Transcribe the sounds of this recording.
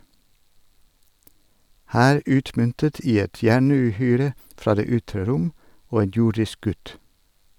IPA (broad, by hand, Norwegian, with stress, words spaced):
ˈhæːɾ ˈʉːtmʏntət ˈiː ˈɛt ˈjæɳʉːˌhyːɾə ˈfɾɑː ˈdeː ˈʏtɾə ˈɾʊm ˈoː ˈeːn ˈjʊɖɪsk ˈɡʉt